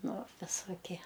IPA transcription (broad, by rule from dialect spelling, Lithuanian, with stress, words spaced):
ˈnʊ ʋʲɪsoːˈkʲiɛ